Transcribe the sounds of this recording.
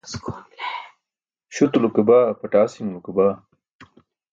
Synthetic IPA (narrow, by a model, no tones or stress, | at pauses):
skon | ɕut̪ulukebaːpɐʈaːsimlukebaː